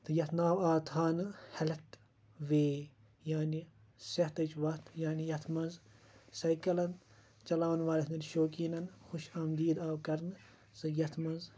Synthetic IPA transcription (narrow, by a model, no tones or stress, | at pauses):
t̪ʰɨjɐt̪ʰnaːwaːt̪ʰaːnɨhɐlɐt̪ | ʋeː | jaːni | sɐht̪ɐt͡ʃʋɐt̪ʰjaːnijɐt̪ʰmɐnz | sɐjkɐlɐn | t͡ʃɐlaːʋɐnʋaːlʲɐt̪nɐnʃoːkiːnɐnxuʃɐmd̪iːd̪aːwkɐɾnɨ | sɨjɐt̪ʰmɐnz